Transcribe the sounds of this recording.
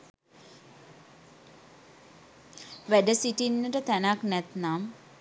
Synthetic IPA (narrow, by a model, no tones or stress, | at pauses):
ʋæɖəsiʈinːəʈət̪ænaknɛt̪nam